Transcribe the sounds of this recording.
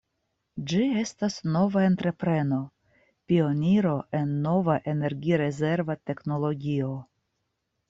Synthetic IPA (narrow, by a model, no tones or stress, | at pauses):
d͡ʒie̞stasno̞vae̞nt̪ɾe̞pɾe̞no̞ | pio̞niɾo̞ʔe̞nːo̞vaʔe̞ne̞ɾɡiɾe̞ze̞ɾvate̞kno̞lo̞ɡʲio̞